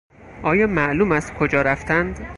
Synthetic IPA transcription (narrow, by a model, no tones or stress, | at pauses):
ʔɒːjɒːmæʔluːmæst̪kʰod͡ʒɒːɾæft̪ænd̪